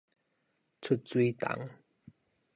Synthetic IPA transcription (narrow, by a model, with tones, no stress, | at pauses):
t͡sʰu˥˧˩t̚t͡swi˧˦t̪a̰˨˦ŋ